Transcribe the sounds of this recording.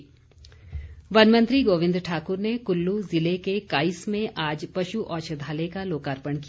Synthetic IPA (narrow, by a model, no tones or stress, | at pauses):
ʋɐnmə̃nt̪ɾiɡoːʋɪ̃nd̪ɾʈʰaːkʊɾnekʊlːuzɪlekekaːismẽʔaːd͡ʒpɐʃuʔɔːʃəd̪ʱaːlekaloːkaːɾpəɳki